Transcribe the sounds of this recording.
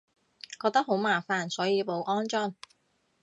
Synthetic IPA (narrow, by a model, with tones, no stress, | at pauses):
kɔː˧k̚t̪ɐ˥k̚ho˨˥wmaː˨˩faː˨˧nsɔː˨˥jiː˨˧po˨˧wʔɔː˥nt͡ʃɔ˥˩ŋ